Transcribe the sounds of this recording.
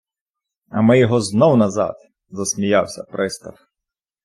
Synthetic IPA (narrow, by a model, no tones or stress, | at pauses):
ɐmɪjɔɦɔznɔwnɐzɑ̰d̪ | zɐsmʲijɑwsʲɐ̰pɾʔɪst̪ɐf